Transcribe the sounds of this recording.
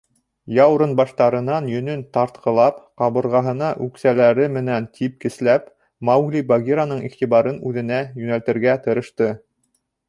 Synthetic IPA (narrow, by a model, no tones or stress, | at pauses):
jɑwɾɤnbɑʃt̪ɑɾɤ̆nɑnjɵ̆nɵnt̪ɑɾt̪qʰɤ̆lˠɑpqɑβɤ̆ɾʁɑɦɤ̆nɑʔʉksælæɾɘmɘ̆nænt̪ʰip̚kɘ̆slæp | mɑwɡlʲibaɡʲiɾanɤɴiχt̪iβɑɾɤnʉðɘ̆næjʉnælt̪ɘ̆ɾɡæt̪ɤ̆ɾɤ̆ʃt̪ɤ